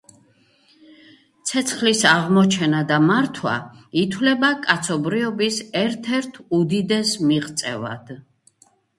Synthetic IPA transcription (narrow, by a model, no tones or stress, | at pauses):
t̪sʰɛt̪sʰχlisaʁmɔt͡ʃʰɛnad̪amaɾt̪ʰwa̰it̪ʰwlɛbakʼat̪sʰɔbɾiɔbisɛɾt̪ʰɛɾt̪ʰud̪id̪ɛsmiʁt̪sʼɛ̰va̰d̪̥